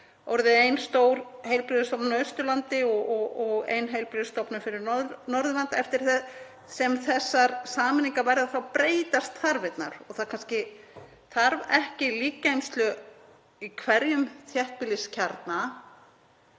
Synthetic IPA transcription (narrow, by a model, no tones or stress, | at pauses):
vɔɾðɪejnst̪oːwɾhejlpɾɪðʏst̪ɔpnnœːɥst̪ʏlant̪ɪɔɔɔɣḛjnɦejlpɾɪðʏst̪ɔpnʏfɪɾɪɾnɔnɔɾðʏlant̪ɛft̪ɪɾ̥θɛð | sɛmθɛsːaɾsaːmɪniŋkavajɾɪðaθawpɾeːjt̪ast̪θaɾvɪt̪na̰ɾɔɣθaðkʰanscɪ | θaɾvɛhcɪliːkaejmst̪lʏ | ikʰvɛɾjʏmθʰjɛht̪̚pɪlɪscʰaɾt̪na